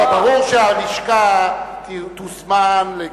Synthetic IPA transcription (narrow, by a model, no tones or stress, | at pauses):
aoʃaliʃkak̪it̪usmanle